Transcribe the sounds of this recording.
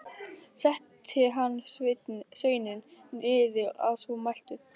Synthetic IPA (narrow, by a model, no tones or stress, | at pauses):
sɛht̪ʰːɪlɦanːsvɪt̪svœːjnɪnɪðɪa̰ðsɔmajl̥t̪ʏ